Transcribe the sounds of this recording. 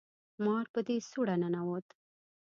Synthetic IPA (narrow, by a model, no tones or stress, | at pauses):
mɑɾpəd̪esuɽananawot̪